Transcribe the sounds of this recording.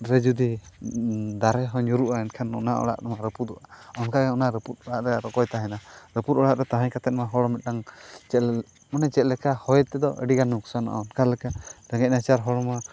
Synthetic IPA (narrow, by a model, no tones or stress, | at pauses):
ɾɛd͡ʒud̪i | d̪aɾɛɦɔɲuɾuʔaɛnkʰanɔnaʔɔ̰ɽa̰ʔnɛmaɾəpud̪ɔʔaɔnkaɡɛɔnaɾəput̪̚ˀɔɽaʔɾɛɾɔkɔjt̪aɦɛnaɾəput̪̚ɔɽaʔɾɛt̪aɦaɲkat̪ɛt̪̚maɦɔɽɔmit̪̚ˀnaŋt͡ʃɛt̪l | mɔnɛt͡ʃɛt̪̚ˀlɛkahɔjt̪ɛd̪ɔʔə̰ɖiɡanuksana̰ʔa̰ɔnkʰalɛkaɾɛŋɛc̚nat͡ʃaɾɦɔɽɔma